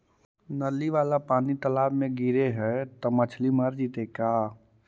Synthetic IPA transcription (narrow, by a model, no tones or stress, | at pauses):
nəlːiʋaːlapaːnit̪əlaːbmẽɡiɾeɦɛt̪ɔmət͡ʃʰliməɾd͡ʒit̪ekaː